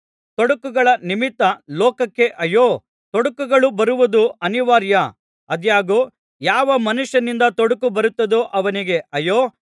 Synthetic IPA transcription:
t̪oɽɐkːuɡɐɭɐnimit̪ːɐlɔːkɐkːe̞ʔɐjoː | t̪ɔɽɐkːuɡɐɭubɐɾuʋud̪uɐniʋaːɾjɐ | ɐd̪jaːɡoː | jaːʋɐmɐnuʂjɐnind̪ɐt̪oɽukubɐɾut̪ːɐd̪oʔɐʋɐniɡe̞ʔɐjoː

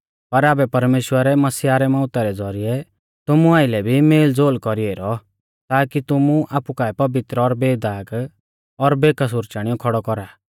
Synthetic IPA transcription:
pɐɾaːbɛpɐɾmeːʃwəɾɛmɐsiaːɾɛmɔ̃ːʊt̪aɾɛd͡zɔɾiɛ | t̪ʊmuaːɪlɛbʱimeːld͡zoːlkɔɾieɾɔ | t̪aːkit̪ʊmuʔaːpukaɛpɐbɪt̪ɾɔɾbeːd̪aːɡ | ɔɾbeːkas̬ʊɾt͡ʃaːɽ̃ɪjɔkʰɔɽɔkɔɾaː

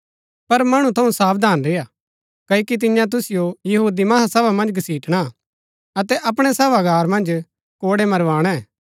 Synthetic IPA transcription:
pɐɾmɐɽ̃ũt̪ʰɐũsaːpd̪ʱaːnɾɪja | kɐokit̪̬ɪ̃jãt̪̬ʊsɪjojɐɦuːd̪imɐɦasɐbamɐ̃nd͡ʒɡɐsiːʈɽ̃a | ɐt̪ɛʔɐp̬ɽ̃ɛsɐbaɡaːɾmɐ̃nd͡ʒ | koːɽemɐɾʋaːɽ̃ɛ̃

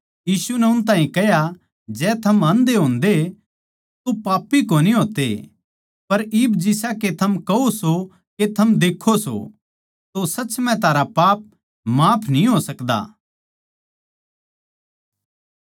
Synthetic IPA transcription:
jiːsunɛʊnt̪ãːĩkɛɦja | d͡ʒɛːt̪ʰɐmɐ̃nd̪eɦõːnd̪e | t̪opaːpːikoniɦoːt̪ḛ | pɐɾiːbd͡ʒɪsaket̪ʰɐmkɐoso | ket̪ʰɐmd̪eːkʰoso̰ | t̪osɐːt͡ʃmɛ̃t̪aːɾapaːp̚ | maːpʰnĩɦoːsɐkd̪a̰ː

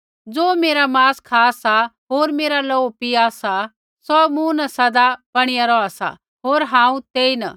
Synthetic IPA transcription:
d͡zoːmeːɾamaːskʰaːsaɦoːɾmeːɾalɔpiaːsa | sɔmũnɐsɐd̪abɐɽ̃ɪjaɾɔaːsa̰ | ɦoːɾɦãːũt̪eːina̰

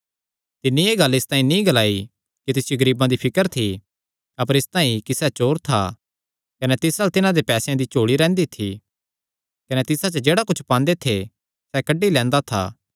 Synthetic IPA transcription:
t̪ɪnːieːɡɐlːɪst̪ãːĩnĩːɡɐlaːi | kit̪ɪsjoɡɐɾiːbãd̪ipʰɪkəɾt̪ʰi | ɐpəɾɪst̪ãːĩkisɛt͡ʃoːɾt̪ʰa̰ | kɐnɛt̪ɪsalt̪ɪnãd̪epɛːsejãd̪it͡ʃoːɽiɾɛ̃ːnd̪it̪ʰi | kɐnɛt̪ɪsat͡ʃəd͡ʒeːɽakʊt͡ʃʰpãːnd̪et̪ʰe | sɛkɐɖːilɛ̃ːnd̪at̪ʰa̰ː

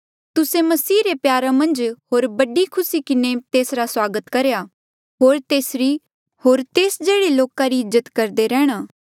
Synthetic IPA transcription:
t̪ʊsemɐsiːɾepjaːɾamɐ̃nd͡ʒɦoːɾbɐɖikʰʊsikɪnet̪eːsɾaswaːɡət̪kɐɾeja | ɦoːɾt̪eːsɾi | hoːɾt̪eːsd͡ʒeːɽeloːkaɾiɪzət̪kɐɾd̪eɾɛːɽ̃aː

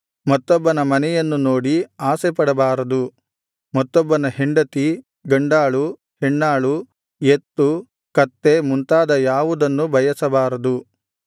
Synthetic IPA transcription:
mɐt̪ːɔbːɐnɐmɐnɛjɐnːunoːɽiaːsepɐɽɐbaːɾɐd̪u | mɐt̪ːɔbːɐnɐɦeɳɖɐt̪i | ɡɐɳɖaːɭu | heɳːaːɭu | jet̪ːu | kɐt̪ːe̞munt̪aːd̪ɐjaːʋud̪ɐnːubʱɐjɐsɐbaːɾɐd̪u

